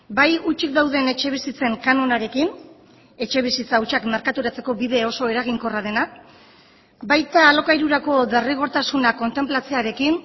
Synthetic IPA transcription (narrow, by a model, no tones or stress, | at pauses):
bajut͡ʃikd̪awðe̞ne̞t͡ʃe̞β̞isit͡se̞ŋkano̞naɾe̞kin | e̞t͡ʃe̞β̞isit͡sauwt͡ʃakmeɾkat̪uɾat͡se̞ko̞βiðe̞o̞so̞e̞ɾaɣ̞iŋko̞rað̞e̞na | bajt̪aːlo̞kajɾuɾako̞ðeriɣ̞o̞ɾt̪asunako̞nt̪e̞mplat͡se̞aɾe̞kin